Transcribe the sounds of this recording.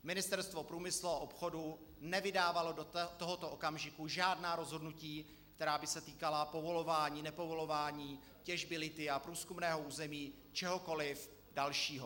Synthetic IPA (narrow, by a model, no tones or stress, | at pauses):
mɪnɪst̪ɛɾst̪vo̞pɾuːmɪsluaʔo̞pxo̞du | nɛvɪdaːvalo̞dt̪oɦot̪oʔokamʒɪkuʒaːdnaːɾo̞zɦodnuciː | kt̪ɛɾaːbɪsɛt̪iːkalapo̞vo̞lo̞vaːɲiːnɛpo̞vo̞lo̞vaːɲiː | cɛʒbɪlɪt̪ɪapɾuːskumnɛːɦo̞uːzɛmiː | t͡ʃɛɦo̞ko̞lɪf | dalʃiːɦo